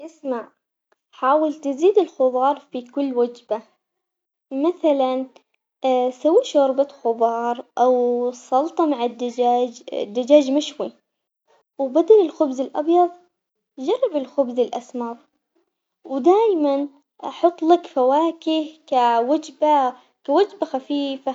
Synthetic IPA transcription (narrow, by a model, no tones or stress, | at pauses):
ʔɪsmaʕ | ħaːwɪlt̪ɪziːd̪ɪlxʊðˤɑːɾˤfikʊlːwad͡ʒba | maθalan | sawːiːʃɑɾˤbaxʊbɑːɾˤʔawsˤɑlt̪ˤɑmaʕɪd̪d͡ʒaːd͡ʒ̰d̪ːad͡ʒaːd͡ʒmɪʃwi | wbad̪alɪlxʊbzɪlʔɑ̰bjɑðˤ | d͡ʒɑrˤːɑbɪlxʊbzɪlʔasmɑɾˤ | wd̪aːjman | ʔɑħʊt̪ˤːlakfawaːkɪhkawad͡ʒba | kawad͡ʒbaxafiːfa